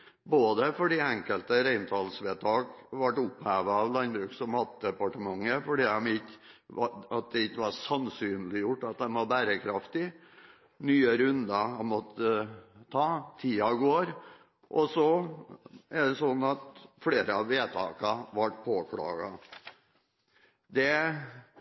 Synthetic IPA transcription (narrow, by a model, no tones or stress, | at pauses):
boːd̪əfɔɖiːɛŋkəlt̪əɾæɪnt̪ʰɑːlsʋeːt̪ʰɑːɡʋɑʈʊphæːʋəɑʋlɑnbɾʉːksɔmhɑt̪̚d̪ɛpɑʈəmɑŋːəfɔɖiːd̪ɑmɪ | ɑt̪̚d̪ɛɪçːəʋɑɾsɑnsyːnlɪjʊʈːɑt̪̚d̪ɛnʋɑɾbæːɾəkʰɾɑft̪ɪ | nyːəɾʉnd̪ɑɑmɔt̪ʰːət̪ʰɑːt̪ʰiːɑɡoːɾ | ʔɔsɔ | æɖɛsɔnːɑt̪fleːɾəɑʋeːt̪ʰɑ̰ːkɑʋɑʈpʰoːkʰlɑ̰ːɡɑ | d̪ɛ